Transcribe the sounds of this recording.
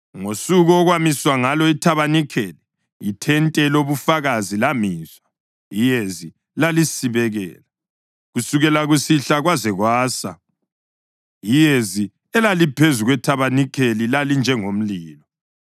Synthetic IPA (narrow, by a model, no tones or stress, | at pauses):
ŋosuɣɔːɣwamiswaŋalɔitʰaβanikʰeli | jitʰɛntʼɛloβufaɣazilamiːzwa | jijezi | lalisiβɛɣɛ̰ːla | ɣusuɣɛlaɣusiɬaɣwazɛɣwaːsa̰ | jijezi | ɛlalipʰezuɣwɛtʰaβanikʰelilalind͡ʒʱɛŋom̩liːlɔ